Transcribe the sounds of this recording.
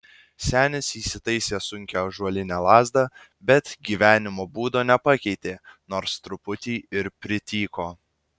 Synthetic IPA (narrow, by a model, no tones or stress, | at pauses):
sʲæːnʲɪsiːsʲɪt̪ɐɪsʲeːsʊŋʲkʲɛʒuɔlʲɪnʲæːlˠɑːzd̪ɑ | bʲɛt̪ɡʲiːʋʲæːnʲɪmoːbuːd̪oːnʲɛpɑkʲɛɪt̪ʲeːnoːɾst̪ɾʊpʊt̪ʲiːɪɾpʲɾʲɪt̪ʲiːkoː